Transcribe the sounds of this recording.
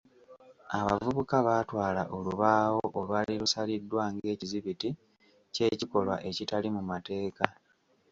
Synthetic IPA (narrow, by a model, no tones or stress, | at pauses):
aβa̰vuβukaβatwaːlaʔo̞luβaːwoʔolwaliɾusalidːwaːŋɡe̞ːciziβiti | ce̞ːciko̞lwa̰ʔe̞citalimumate̞ːka